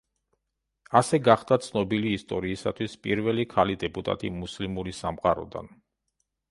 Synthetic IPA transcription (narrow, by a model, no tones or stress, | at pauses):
asɛɡaχd̪at̪sʰnɔbiliːst̪ʼɔɾiːsat̪ʰwispʼiɾvɛlikʰalid̪ɛpʼut̪ʼa̰t̪ʼḭmuslimuɾisamqʼaɾɔ̰d̪a̰n